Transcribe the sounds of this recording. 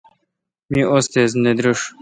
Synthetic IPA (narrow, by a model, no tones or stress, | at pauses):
miʔost̪ezned̪ɾuʂ